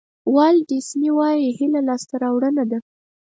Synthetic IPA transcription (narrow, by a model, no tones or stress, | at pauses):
wɑlɖisniwɑjihilalɑst̪aɾɑwɽənad̪a